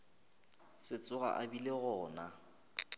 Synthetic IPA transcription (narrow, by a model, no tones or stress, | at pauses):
sɪt͡sʼʊɣa̰ʔabileɣɔːna